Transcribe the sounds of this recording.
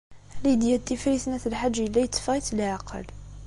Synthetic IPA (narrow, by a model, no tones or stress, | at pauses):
lid̪jæt̪ːifɾisnæθəlħad͡ʒːjəlːæjət̪ˤːfʁit̪lʕaqə̰l